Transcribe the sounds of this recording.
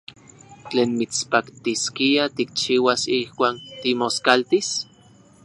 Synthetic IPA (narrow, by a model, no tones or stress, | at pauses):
t͡ɬeːnmit͡spakt̪iskiat̪ik̚t͡ʃiːwasihkʷaːnt̪imoskalt̪is